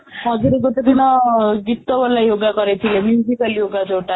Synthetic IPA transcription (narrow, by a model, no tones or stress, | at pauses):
ɦɔd͡ʒuɾeɡot̪ed̪inɔɡit̪ːɔbɔlːajoɡakɔɾet̪ʰilemjud͡ʒikaljoɡad͡ʒoʈa